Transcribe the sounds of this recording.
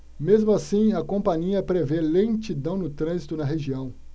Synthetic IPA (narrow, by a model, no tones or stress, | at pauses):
mezmʊasĩɐkõpɐ̃ɲiɐpɾevelẽt͡ʃid̪ɐ̃w̃nʊt̪ɾɐ̃zit̪ʊnɐɦeʒiɐ̃w̃